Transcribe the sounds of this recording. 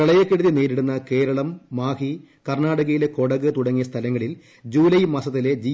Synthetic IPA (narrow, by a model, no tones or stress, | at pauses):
ɐɭɐjɐkːeɽuðineːɾiɽunːɐke̞ːɾɐɭɐmːaːhi | kɐrnaːɽɐɣɐjileko̞ɽɐɣɨt̪uɽɐŋːijɐst̪ʰɐlɐŋːɐɭil | d͡ʑuːlɐjmɐsɐt̪ːile̞d͡ʑi